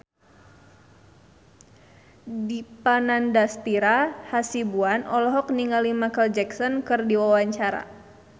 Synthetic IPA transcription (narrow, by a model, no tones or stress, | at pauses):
dipanandast̪iɾahasibuanɔlɔɦɔk̚niŋalimakəld͡ʒɛksɔnkɨrdiwawaɲt͡ʃaɾa̰